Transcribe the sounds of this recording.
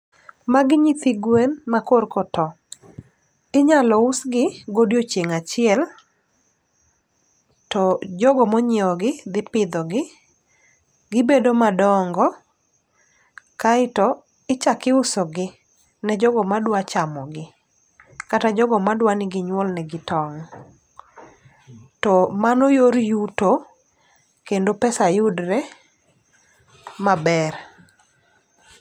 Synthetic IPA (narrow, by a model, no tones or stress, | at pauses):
maɡɪɲit̪iɡwenmakorkɔtɔ | ɪɲalɔʊsɡɪɡodjot͡ʃeŋat͡ʃɪɛl | tɔd͡ʒɔɡɔmɔɲeɔɡɪd̪ɪpɪd̪ɔɡɪ | ɡɪbedomadɔŋɡɔ | kaɪtɔ | ɪt͡ʃakɪʊsɔɡɪ | nɛd͡ʒɔɡɔmadwat͡ʃamɔɡɪ | katad͡ʒɔɡɔmadwanɪɡɪɲwɔlnɛɡɪtɔŋ | tɔmanɔjoɾjuto | kendopɛsajʊdɾɛ | mabɛɾ